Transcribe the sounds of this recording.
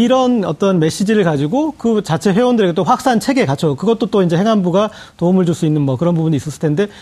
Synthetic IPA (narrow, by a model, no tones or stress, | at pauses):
iɾʌnʌt͈ʌnme̞ɕ͈id͡ʑiɾɯɭkad͡ʑiɡokɯt͡ɕat͡ɕʰe̞ɸwe̞ondɯɾe̞ɡe̞t͈oɸwak̚s͈ant͡ɕʰe̞ɡe̞kat͡ɕʰokɯɡʌt͈̚ot͈oind͡ʑe̞heŋɦanbuɡa | toumɯɭt͡ɕuɭs͈uinːɯnmʌkɯɾʌnbubuɲiːs͈ʌsʰɯɭ̥tʰende̞